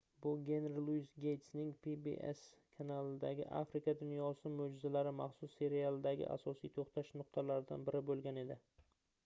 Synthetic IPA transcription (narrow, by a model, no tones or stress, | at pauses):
bʊɡʲe̞nɾlˠujsɡʲejt̪snɪŋpibḛʔḛskʰanalˠɪd̪aɡʲɪ̰ʔa̰fɾɪkad̪ʊnjɒsɪmod͡ʒɪzalaɾɪmaχsʊsːe̞ɾialˠd̪aɡʲɪ̰ʔa̰sɒsijt̪ʰoχt̪ʰaʃnʊqt̪ʰalaɾɪd̪a̰nbɪɾɪbolˠɡʲane̞d̪ɪ